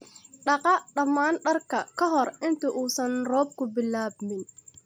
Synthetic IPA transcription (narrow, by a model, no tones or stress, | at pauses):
ɗɑqɑɗɐmːaːnɗɐrkʰɐkʰɐɦɔɾɪnt̪ɐʔuːsɐnrɔːb̚kʊbɪlːaːbmɪn